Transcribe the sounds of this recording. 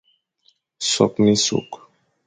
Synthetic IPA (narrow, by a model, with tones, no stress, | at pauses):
sɔ̰˨kni˦sṵ˨k